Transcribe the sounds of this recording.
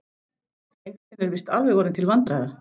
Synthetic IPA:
ejk̪ɪnɛɾvɪst̪alvɪɣɔɾɪnt̪ʰɪlvant̪ɾajða

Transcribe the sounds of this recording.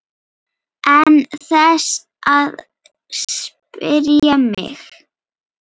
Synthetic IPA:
ʔɛnθɛs | að | spɪɾjamɪ̰x

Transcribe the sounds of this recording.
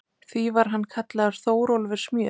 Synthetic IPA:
θvivaɾ̥ɦanːkʰat̪laɣaɾ̥θoːwɾolvɪ̥smjœː

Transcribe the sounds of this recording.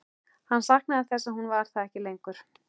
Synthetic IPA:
hanːsahknaaðθɛsːahunvaɾ̥θaðɛhcɪlejŋkʏɾ̥

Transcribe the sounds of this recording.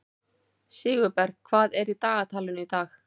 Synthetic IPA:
sɪːɣʏpɛɾɣkʰvaːðɛɾit̪aːɣat̪ʰaːlʏnit̪aːx

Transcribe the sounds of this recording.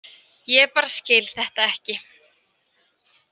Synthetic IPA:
jɛɛpaːɾascɪːlθɛht̪aɛhcɪ

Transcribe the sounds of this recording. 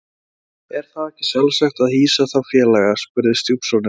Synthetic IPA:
ɛɾ̥θaðɛhcɪ̥sjalvsaxt̪aðhiːsaθawfjɛːlɛɣaspʏɾðɪst̪jupsɔnɪ

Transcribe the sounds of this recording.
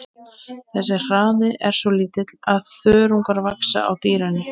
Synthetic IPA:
θɛsːɪr̥aːðɪʔɛɾ̥sɔliːt̪ɪt̪laðθœːɾuŋkaɾvaksa̰a̰wt̪iːɾanɪ

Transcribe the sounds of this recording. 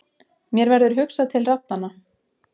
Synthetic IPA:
mjɛɾvɛɾðʏɾ̥ɦʏksaðt̪ʰɪlraw̚nanːa

